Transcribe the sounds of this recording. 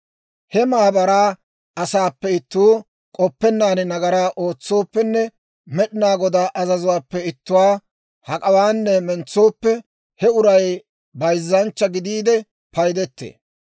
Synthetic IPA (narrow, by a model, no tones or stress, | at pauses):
hɛmaːbɐɾaː | ɐsaːpːɛɪt̪ːuː | kʼɔpːɛnːaːnɪnɐɡɐɾaːʔo̞ːt͡sːo̞ːpːɛnːɛ | mɛɗɪnaːɡɔd̪aʔɐzɐzʊwaːpːɛɪt̪ːʊwaː | hɐkʼɐwaːnːɛmɛnt͡sːo̞ːpːɛ | hɛʊɾɐj | bɐjzːɐnt͡ʃːɐɡɪd̪iːd̪ɛ | pɐjd̪ɛt̪ːḛː